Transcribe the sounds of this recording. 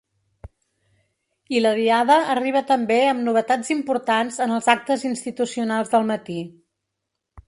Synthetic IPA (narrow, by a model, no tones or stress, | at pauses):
iləðiaðəːriβ̞ət̪əmbeəmnuβət̪ad͡zimpuɾt̪anzənəlˠzak̚t̪əzinst̪it̪usiunalˠzðəlˠmət̪i